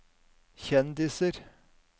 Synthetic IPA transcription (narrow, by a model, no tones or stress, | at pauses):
çɛnd̪ɪsəɾ